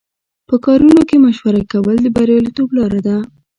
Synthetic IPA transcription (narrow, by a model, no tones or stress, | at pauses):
pəkɑɾunokemaʃwaɾakawəld̪əbaɾjɑlit̪oblɑɾad̪a